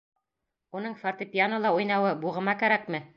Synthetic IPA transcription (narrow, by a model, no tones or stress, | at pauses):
unɤɴfart̪ɤpʲɪjanɤlˠɑujnɑwɤbuʁɤ̆mɑkæɾækmɘ